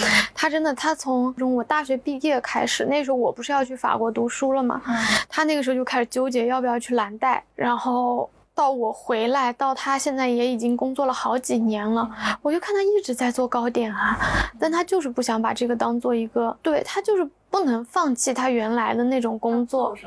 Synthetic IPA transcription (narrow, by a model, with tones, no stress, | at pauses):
t̪ʰa˥ʈ͡ʂə˥nd̪ə˨t̪ʰa˥t͡sʰʊ˧˥ŋʈ͡ʂʊ˧˥ŋwɔ˨˩t̪a˥˩ɕɥɛ˧˥pi˥˧jɛ˥˩kʰa˥ɪʂɻ̩˨˩ne˥˩əʂɻ̩˧˥xo˥˧wɔ˨˩pu˧˥ʂɻ̩˥˧jɑ˥˧ʊt͡ɕʰy˥˩fa̰˨˩kwɔ˧˥t̪u˧˥ʂu˥lə˨mɐ̰˩t̪ʰa˥n˥˩ɡʂɻ̩˧˥˧t͡ɕo˥˧kʰɪʂɻ̩˥˨˩t͡ɕjo˥ʊt͡ɕjɛ˧˥jpə˧˨˩ɑ˥˧ʊt͡ɕʰy˥˩la˧˥nt̪a˥˩ɪɻa˧˥nxo˥˩ʊ | t̪ɑ˥˩ʊwɔ˨˩xwe˧˥ɪla˧˥ɪt̪ɑ˥˩ʊt̪ʰa˥ɕjɛ˥˧nt͡sa˥˩ɪjɛ˧˥i˨˩t͡ɕi˥ŋkʊ˥ŋt͡swɔ˥˩lə˩xɑ˧˥ʊt͡ɕi˨˩njɛ˧˥nlə˧wɔ˨˩t͡ɕjo˥˧kʰnt̪ʰa˥i˥˩ʈ͡ʂɻ̩˧˥t͡sa˥˧ɪt͡swɔ˥˩kɑ˥ʊt̪jɛ˨˩nlə˦t̪a˥˩nt̪ʰa˥t͡ɕjo˥˧ʊʂɻ̩˥˧pu˥˩ɕjɑ˧˥ŋpa̰˨˩ʈ͡ʂɤ˥˩ɡə˩t̪ɑ˥ŋt͡swɔ˥˩i˧˥ɡə˧t̪we˥˩ɪt̪ʰa˥t͡ɕjo˥˧ʊʂɻ̩˥˧pu˥˩nɤ˧˥ŋfɑ˥˧ŋt͡ɕʰi˥˩t̪ʰa˥ɥɛ˧˥nla˧˥ɪd̪ə˧ne˥˩ʈ͡ʂʊ˨˩ŋkʊ˥ŋt͡swɔ˥˩